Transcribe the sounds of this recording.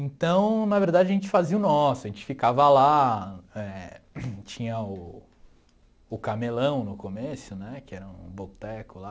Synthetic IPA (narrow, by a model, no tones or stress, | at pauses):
ẽnt̪ɐ̃w̃nɐveɾd̪ad͡ʒɪɐʒẽnt͡ʃɪ̥faziɐʊnɔsʊɐʒẽt͡ʃɪ̥fikavɐla | ɛ | t͡ʃĩɲɐʊ | ʊkamelɐ̃w̃nʊkomesʊnɛkɪɛɾɐṵ̃bot̪ɛkʊla